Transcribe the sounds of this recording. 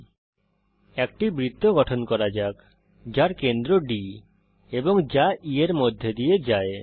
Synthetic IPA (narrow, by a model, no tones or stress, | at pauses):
ɛkʈibɾit̪ːoɡɔʈʰɔnkɔɾad͡ʒak | d͡ʒaɾkend̪ɾoɖi | ebɔŋd͡ʒaieɾmod̪ʱjed̪ijed͡ʒae